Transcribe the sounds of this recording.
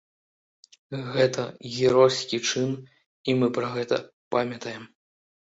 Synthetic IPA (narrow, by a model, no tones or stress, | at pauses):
ɣɛt̪ʰɐɣʲɛɾɔsʲkʲit͡ʂɨn | imɨpɾɐɣɛt̪ɐ̰ | pamʲɐt̪ɐjɛm